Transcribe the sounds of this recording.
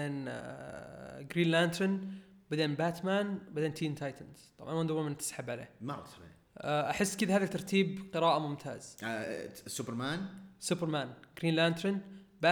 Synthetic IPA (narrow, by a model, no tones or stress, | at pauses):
eːn | ɡɾiːnlaːnt̪ɾɪn | bad̪eːnbaːt̪maːnbad̪eːnt̪ʰiːnt̪ʰajt̪ɪnz̥t̪ˤɑ̰bʕɑnwand̪wmant̪ɪ̥sħabʕalḛːmaɾˤɑ̰t̪t̪abḭ | ʔaħɪsːkɪd̪ahaːðat̪ːɑɾˤt̪ʰiːbqɨɾaːʔamʊmt̪ʰa̰ːz̥ | sʊbɪɾmaːnsubɪɾˤmaːnɡ̥ɾiːnlaːnt̪ɾɪnbaː